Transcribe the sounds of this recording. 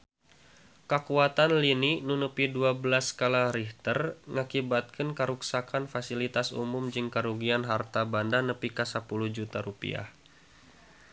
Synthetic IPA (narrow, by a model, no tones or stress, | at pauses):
kəkuat̪anlininunəpiduabəlaskalaɾiht̪ərŋakibat̪̚kʰənkəɾuksakanfasilit̪asṵmumd͡ʒɨŋkaɾuɡianɦart̪abandanəpikasəpuluhd͡ʒut̪aɾupḭa̰h